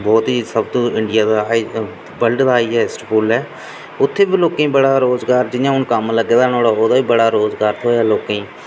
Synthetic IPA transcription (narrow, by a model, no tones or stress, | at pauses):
bɔːt̪ɦiːsəbt̪ũːɪɳɖɪjaːd̪aːi | bəlɖd̪aːiːɦɛːɪsʈpoːlɛː | ʊt̪ʰːeːbiːloːkẽːbəɽaːɾoːzɡaːɾd͡ʒɪjãːʊnkəmləɡːeːd̪aːnoːɽaːoːd̪aːiːbəɽaːɾoːzɡaːɾt̪ʰoːaːloːkẽː